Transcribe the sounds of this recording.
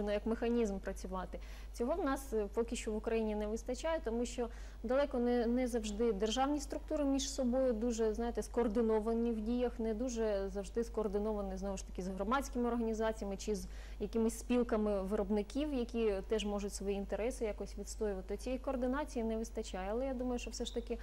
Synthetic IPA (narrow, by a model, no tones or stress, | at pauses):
ɪnɔjɐkmɪxɐnʲizmpɾɐt͡sʲʊʋɑt̪ɪ | t͡sʲɔɦɔwnɑspɔkʲɪʃt͡ʃɔʋʊkɾɐjinʲinɛʋɪst̪ɐt͡ʃɑjɛt̪ɔmuʃt͡ʃɔ | d̪ɐlˠɛkɔnɛnɛzɐwʒd̪ɪd̪erʒɑwnʲist̪ɾʊk̚t̪uɾɪmʲiʒsɔbɔjʊd̪uʒɛznɑjɪt̪ɛskɔːrd̪ɪnɔʋɐnʲiwdʲijɐxnɛd̪uʒɛzɐwʒd̪ɪskɔːrd̪ɪnɔʋɐnɪznɔʋʊʃt̪ɐ̥kʲɪzɦrɔmɑt͡sʲkɪmɪɔrɦɐnʲizɑt͡sʲijɐmɪt͡ʃɪz | jɐkɪmɪsʲspʲilˠkɐmɪʋɪɾɔbnɪkʲiwjɐkʲit̪ɛʒmɔʒʊtʲsʋɔjiːnt̪eɾɛsɪjakɔɔsʲʋʲit̪st̪ɔjʊʋɐt̪ɪɔt͡sʲijikɔːrd̪ɪnɑt͡sʲijinɛʋɪst̪ɐt͡ʃajɛɐlˠɛjad̪umɐjʊʃt͡ʃɔwsɛʃt̪ɐkʲɪ